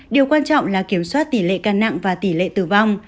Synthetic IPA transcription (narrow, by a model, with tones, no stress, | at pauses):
ɗi˨˩əwkwaː˧nt͡ɕɔ̰˧˨wŋ͡mlaː˨˩ki˧˩əmswaː˦˥t̚t̪i˧˩lḛ˧˨kaː˧nːa̰˧˨ŋvaː˨˩t̪i˧˩lḛ˧˨t̪ɨ˨˩va˧wŋ͡m